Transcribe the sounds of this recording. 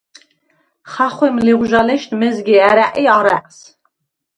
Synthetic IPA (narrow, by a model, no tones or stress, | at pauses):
χaχwɛmliʁʷʒalɛʃt̪mɛzɡiæɾæʔʼiaɾæ̰ʔʼs